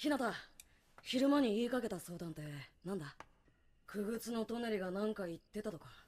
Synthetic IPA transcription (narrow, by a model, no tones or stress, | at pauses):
çinat̪a | çiɾɯ̟maɲ̟iiːkake̞t̪aso̞ːd̪ãnt̪e̞nãnd̪a | kʰɯ̟ɡɯ̟t͡sɨno̞t̪o̞neɾʲiɡanãŋkait̪ːe̞t̪at̪o̞ka